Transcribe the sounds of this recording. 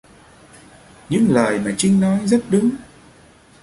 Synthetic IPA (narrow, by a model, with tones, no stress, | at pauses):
ɲɨ̰˧˥ŋləː˨˩jmaː˨˩t͡ɕï˧ŋ̟nɔ˨˦jzə˦˥t̚ɗɨ˨˦ŋ